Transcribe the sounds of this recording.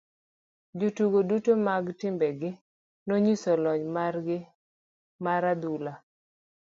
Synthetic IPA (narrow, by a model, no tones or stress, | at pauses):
d͡ʒotuɡodutomaɡtɪmbɛɡɪ | noɲisɔlɔɲmarɡɪ | maɾad̪ula